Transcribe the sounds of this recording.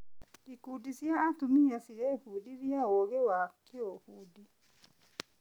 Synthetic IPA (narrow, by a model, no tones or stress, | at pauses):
dikudisjaːtumiasiɾɛhudiɾjaɔɣɛwakʰeohuːdi